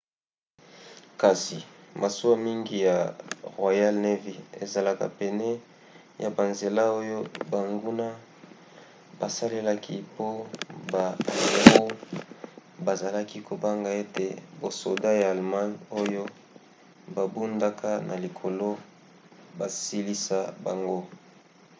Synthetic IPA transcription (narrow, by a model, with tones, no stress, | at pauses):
ka˨si˨mʔa˨su˦a˦mi˦ŋɡi˦ja˨ʁwa˨ja˦lne˦vi˨e˨za˨la˨ka̰˨pɛ˨nɛ˦ | ja˨ba˨nze˨la˦o˦jo˦ba˨ŋɡu˦na˦ | ba˨sa˦le˦la˦ki˦po˦ba˨ʁo˦ | ba˨za˨la˦ki˦kʰo˨ba˦ŋɡa˨e˦te˨bo˨so˨da˦jaː˨lma˦no˦jo˦ | ba˨bu˦nda˦kʰa˦nʔa˨li˨kʰo˨lo˦ | ba˨si˦li˦sa˦ba˨ŋɡo˦